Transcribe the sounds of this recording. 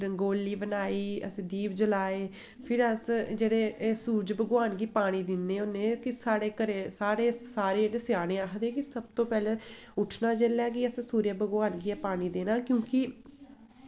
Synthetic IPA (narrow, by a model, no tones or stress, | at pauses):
ɾəŋɡoːlːiːbənaːiːə̰sĩːd̪iːpd͡ʒəlaːeː | pʰɪɾəsd͡ʒeːɽeːsuːd͡ʒbəɡʋaːnɡiːpaːɽ̃iːd̪ɪnːeːʊnːẽːkɪsaːɽeːkəɾeːsaːɽeːsaːɾeːdɪsɪjaːnẽːaːkd̪eːkɪsəb̚t̪õːpɛːlẽː | ʊʈʰnaːd͡ʒelɛːkɪəssuːɾjəbəɡwaːnɡiːɛːpaːɽ̃iːd̪eːnãːkjõːkɪ